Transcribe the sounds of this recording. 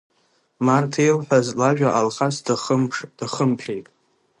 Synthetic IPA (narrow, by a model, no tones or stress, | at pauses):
martʰejlħʷᶣazlaʒᶣaʔalχasdaχəmʈ͡ʂʰd̥aχəmpʰejtʼ